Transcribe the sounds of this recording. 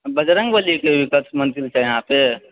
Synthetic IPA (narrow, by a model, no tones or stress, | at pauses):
bəd͡ʒɾə̃ŋɡbəlikeʋikətmə̃nt̪ɾilt͡ʃʰajɐɦãpe